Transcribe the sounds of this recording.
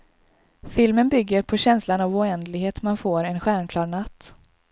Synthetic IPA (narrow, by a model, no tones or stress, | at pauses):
fɪlmənbʏɡːəɾpʰɔɕɛnslanavɔɛnd̪lɪɡheːt̪manfoːɾɛnɧæːɳkʰlɑːɾɳat̪ː